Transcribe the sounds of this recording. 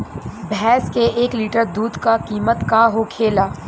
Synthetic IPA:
bʱɛːskeeːkliːʈəɾd̪uːd̪kakiːmət̪kaɦokʰeːlaː

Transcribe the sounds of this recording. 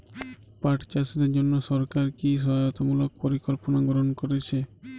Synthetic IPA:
paʈt͡ʃasɔd̪ed͡ʒonːɔsɔɾkaɾkis̬ɔɦajɔt̪ɔmulɔk̚pɔɾikɔlpɔnaɡɾɔɦɔnkɔɾet͡ʃʰe

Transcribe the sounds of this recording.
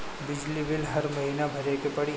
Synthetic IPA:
bɪd͡ʒlibɪlɦɐɾmɐɦiːnabʱɐɾekepɐɽi

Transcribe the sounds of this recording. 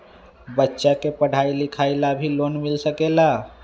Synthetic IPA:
bətːʃakepəɽ̤ailikʰajlabʱilonmilsəkela

